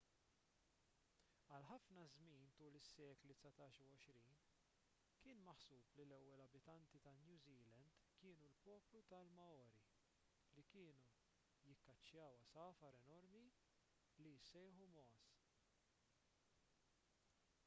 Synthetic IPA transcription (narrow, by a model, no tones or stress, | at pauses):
ɐlħɐfnɐzmiːnt̪uːlɪsːɛːklit̪sɐt̪ɐːʃuwɔʃɾiːn | kɪːnmɐħsuːplilɛwːɛlɐbɪt̪ɐnt̪it̪ɐnjuːziːlɐnd̪kɪːnulpɔːplut̪ɐlmɐɔːɾi | likɪːnu | jɪkːɐt͡ʃːjɐːwɐsɐːfɐɾɛnɔɾmi | lijsːɛjħumɔːs